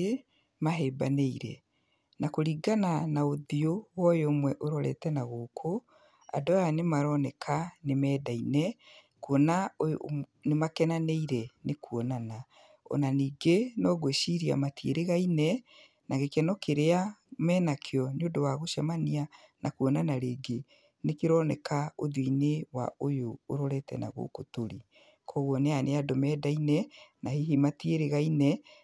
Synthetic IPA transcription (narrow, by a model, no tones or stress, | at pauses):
e | maɦɛba̰neiɾɛ̰ | nakoɾiːɡananaoðiowɔjoːmwɛʔoɾɔɾɛ̰tɛnaɣoːkʰo | a̰dɔjanemaɾɔnɛkʰanemɛːdainɛ | kwɔnaonemakɛnaneiɾɛnekuwɔnana | ɔ̰naniːɡenɔːɣweʃiɾia̰matiḛɾeɣainɛ | naɣekɛnɔkʰeɾeamɛːnakʰeɔnodɔwaɣoʃamanianʔakuɔnanaɾeːɡe | nekeɾɔnɛkaoðwinewa̰ojoːɾɔɾɛtɛ̰na̰ɣo̰kotoɾi | kʰɔɣwɔneaneadɔmɛdainɛnahiɦimatieɾeɣainɛ